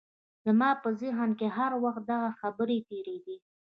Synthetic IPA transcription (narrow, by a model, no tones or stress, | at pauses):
d̪̥əmɑpəzɪɦənkeɦaɾwaxt̪̚d̪aɣaxabəɾet̪eɾeɡ̪i